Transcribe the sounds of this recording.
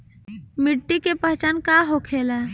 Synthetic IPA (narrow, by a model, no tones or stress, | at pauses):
mɪʈːikepəɦt͡ʃankaɦokʰeːla